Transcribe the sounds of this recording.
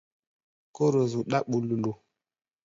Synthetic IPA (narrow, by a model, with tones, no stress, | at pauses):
ko˦ɾo˨zu˨ɗa˦ɓu˨lu˨lu˨